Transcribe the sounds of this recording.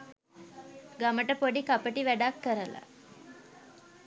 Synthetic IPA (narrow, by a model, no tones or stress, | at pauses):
ɡaməʈəpoɖikapəʈiʋæɖakːəɾəla̰